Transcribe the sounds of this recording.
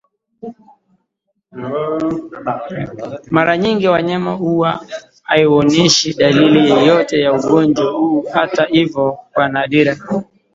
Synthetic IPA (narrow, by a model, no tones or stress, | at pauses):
maɾaɲiŋɡiwaɲamauwa | aiɔnɛʃiɗalilijɔjɔtɛjauɠɔnd͡ʒwahuːhatahivɔkwanaɗiɾa